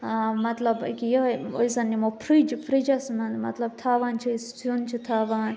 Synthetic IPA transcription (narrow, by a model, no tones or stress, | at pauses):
mɐt̪lɐb̰kijɐɦo̰jsɐnːimopʰɾid͡ʒpʰɾid͡ʒɐsmɐmɐ̰t̪lɐb̚t̪ʰaːʋaːnt͡ʃʰiist͡sʰjunt͡ʃʰit̪ʰaːʋaːn